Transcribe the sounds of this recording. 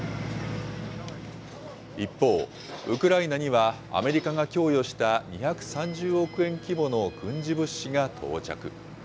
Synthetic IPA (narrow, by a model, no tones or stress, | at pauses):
ipːo̞ː | ɯ̟kɯ̟ɾainaɲiβa̰ː | me̞ɾʲikaɡakʲo̞ːjo̞ɕi̥t̪aɲiçakɯ̟̥sãɲd͡ʑɨːo̞kɯ̟ẽ̞ŋkʲibo̞no̞ɡɯ̟̃ɲ̟d͡ʑibɯ̟ɕːiɡat̪ʰo̞̰ːt͡ɕa̰kɯ̟̰